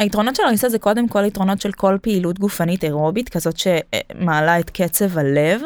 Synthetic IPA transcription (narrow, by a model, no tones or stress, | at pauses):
aitʁono̞tʃelaʁisazɛko̞de̞mko̞laitʁo̞no̞tʃe̞lko̞lpeilutɡufaniteʁobitkazo̞tʃemaːlaetkʰet͡sevale̞v